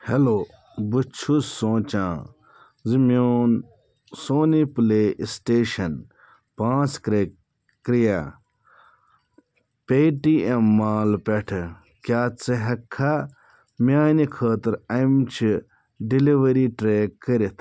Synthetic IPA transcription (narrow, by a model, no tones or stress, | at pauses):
heloː | but͡ʃʰusõːt͡ʃãː | zimjoːn | soːnipleːisʈeːʃɐn | pãːt͡skɾe | kɾija | peːʈiemːaːlpeʈʰ | kʲjaːt͡sɨɦɐkʰːa | mjaːnikʰəːt̪ɨɾɐmt͡ʃʰi | ɖiliʋɐɾiʈɾeːkːɐɾit̪ʰ